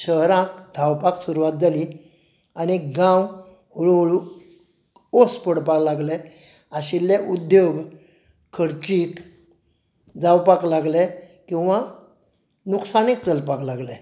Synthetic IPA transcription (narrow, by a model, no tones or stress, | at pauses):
ɕəɦɾãkd̪ʱawpaksuɾuʋat̪̚d͡zali | añiɡãw | hoɭoɭu | ospəɽpaklaɡle | aɕilːeʔud̪joɡ | kʰːəɽt͡ɕiːk | d͡zawpaklaɡlɛ | kĩw̃ʋa | nuksanik̚t͡səlpaklaɡlɛ